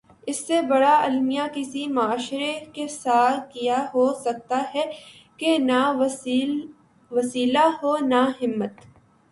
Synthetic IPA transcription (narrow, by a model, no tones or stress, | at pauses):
ɪsːebɐɽaɐlmijakɪsimʊaːʃɾekesaːt̪kijaɦoːsɐk̚t̪aɦɛ | kena | ʋɐsiːlaɦoːnaɦɪmːət̪